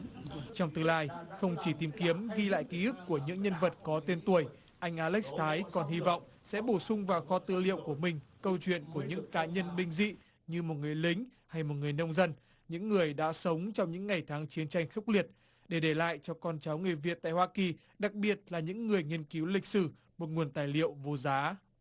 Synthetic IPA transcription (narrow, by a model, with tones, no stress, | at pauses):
t͡ɕɔ˧wŋ͡mt̪ɨ˧laː˧jxə˧wŋ͡mt͡ɕi˧˩t̪i˨˧˩mki˨˦əmɣi˧la̰ː˧˨jki˨˦ʔɨ˦˥kːu˧˩əɲɨ̰˧˥ŋɲə˧nvə˨˩t̚kɔ˨˦t̪e˧nt̪u˧˩əj | ʔa˧jŋ̟ʔaː˧lɛ˦˥k̚st̪ʰaː˨˦jkɔ˨˩nɦi˧vɔ̰˧˨wŋ͡m | sɛ̰˧˥ɓo˧˩sʊ˧ŋ͡mvaː˨˩xɔ˨˧˦t̪ɨ̰˧˨lḭ˧əwku˧˩əmï˨˩ŋ̟kə˧wt͡ɕwḭ˧˨ənku˧˩əɲɨ̰˧˥ŋkaː˨˦ɲə˧nɓï˧ŋ̟zḭ˧˨ | ɲɨ˧mo˨˩t̚ŋɨ˨˩əjli˨˦ŋ̟ha˧jmo˨˩t̚ŋɨ˨˩əjnə˧wŋ͡mzə˧n | ɲɨ̰˧˥ŋːɨ˨˩əjɗa̰ː˧˥sə˨˦wŋ͡mt͡ɕɔ˧wŋ͡mɲɨ̰˧˥ŋːa˨˩jt̪ʰaː˨˦ŋt͡ɕi˨˦ənt͡ɕa˧jŋ̟xɨ˦˥k͡p̚li˨˩ət̚ | ɗe˧˩ɗe˧˩la̰ː˧˨jt͡ɕɔ˧kɔ˧nt͡ɕaː˨˦wŋɨ˨˩əjvi˨˩ət̪̚a̰ː˧˨jhwaː˧ki˨˩ | ɗa˨˩k̚ɓi˨˩ət̚laː˨˩ɲɨ̰˧˥ŋːɨ˨˩əjŋi˧ənki˨˦wlï˨˩k̚sɨ˧˩ | mo˨˩t̚ŋu˨˩ənt̪aː˨˩jlḭ˧˨əwvo˨˩zaː˨˦